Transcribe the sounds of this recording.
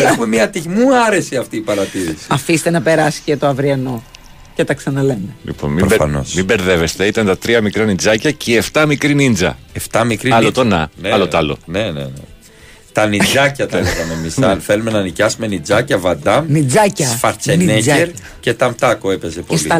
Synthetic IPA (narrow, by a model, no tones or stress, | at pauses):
exume̞mɲɐt̪iʝmuɐɾe̞siɐft̪iːpɐɾɐt̪iɾisi̥ɐfist̪enɐpe̞ɾɐsi̥cet̪oɐvɾiɐno̞ | cet̪ɐksɐnɐle̞melḭpo̞̰nmibɐ̰no̰smimbe̞ɾðe̞ve̞st̪e̞it̪ɐnt̪ɐt̪ɾiɐmikɾɐnind͡zɐcɐceeft̪ɐmikɾinind͡zɐ̰eft̪ɐmikɾiɐlot̪onɐ̰neɐlot̪ɐlo̰ne̞nḛnḛ | t̪ɐnid͡zɐcɐt̪ɐeɣɐmemisɐlfelumenɐːnicɐsume̞nid͡zɐcɐvɐd̪ɐmnid͡zɐcɐfɐɾt͡seneeɾ | ce̞t̪ɐmt̪ɐkoepe̞zepoesiɐ